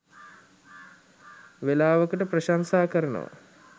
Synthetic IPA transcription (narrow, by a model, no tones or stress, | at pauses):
ʋelaːʋəkəʈəpɾəʃansaːkəɾənə̰ʋa̰